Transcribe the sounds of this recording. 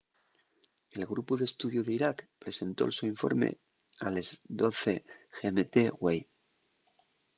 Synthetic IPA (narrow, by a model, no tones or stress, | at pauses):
e̞lɣɾupuðest̪uðjuðeiɾakpɾe̞se̞nt̪o̞̰lsuiɱfo̞̰ɾmḛ | alezd̪oθexemet̪eɣwej